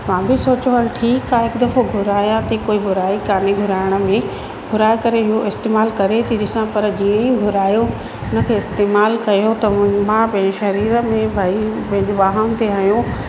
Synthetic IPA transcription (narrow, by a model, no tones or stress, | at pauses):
mãːbɪsoːt͡ɕoɦəlʈʰiːkaːɪkd̪ɐfoɡʱʊɾaːjãt̪ʰikoːibʊɾaːikaːneɡʱʊɾaːɪɽ̃ə̆mẽ | ɡʱʊɾaːjkɐɾeɪɦoʔɪst̪eːmaːlkɐɾet̪ʰiɗɪsãpɐɾd͡ʑiːə̃ĩɡʱʊɾaːjo | ʊnə̆kʰeːɪst̪eːmaːlkɐjot̪ɐmãpɐ̃ɦɪ̃ɲd͡ʑɪʃɐɾiːɾə̆mẽbʱaːipɐ̃ɦɪ̃ɲd͡ʑoɓaːɦənt̪ʰeɦɐjõ